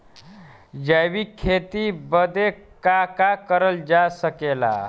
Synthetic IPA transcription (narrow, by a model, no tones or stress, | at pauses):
d͡ʑaʋikʰːet̪ibəd̪ʱekakakəɾəld͡ʑasəkela̰